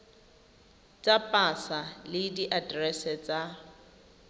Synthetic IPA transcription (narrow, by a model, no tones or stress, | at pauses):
t͡sʼapʼasalɪdiʔadrɛsɛt͡sʼa